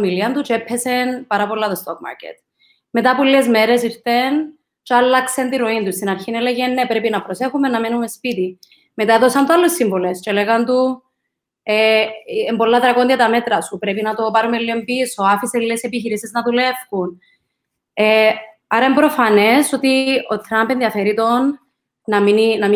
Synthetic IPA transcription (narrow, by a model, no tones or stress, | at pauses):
miliɐnt̪ut͡ʃeepʰːe̞se̞npɐɾɐpo̞lːɐt̪ost̪okma̰ɾcḛt̪ | me̞t̪apuliezmeɾe̞siɾθen | t͡ʃalːɐksent̪iɾoint̪ust̪inɐɾçineleʝenːepɾepinɐpɾo̞se̞xumenːɐmenumespit̪i | me̞t̪aeðosɐnt̪ualːusːimbolest͡ʃeleɣant̪u | eembo̞lːat̪ɾɐkond̪iɐt̪ɐme̞t̪ɾɐsupɾepinɐt̪o̞paɾumelːiompisoafiseliesepiçiɾisiznɐðule̞fxun | e | aɾɐembɾo̞fɐne̞so̞t̪iot̪ɾɐmpenðiɐfeɾit̪o̞nː | ɐmininɐm